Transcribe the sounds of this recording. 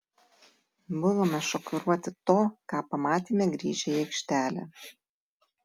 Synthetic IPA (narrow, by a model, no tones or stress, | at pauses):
bʊʋomɐʃɔkʊɾuɔt̪ʲɪt̪oːkɑːpɐmɑːt̪ʲiːmʲɛɡɾʲiːʒʲɛjɛkʃʲt̪ʲæːlʲɛ̰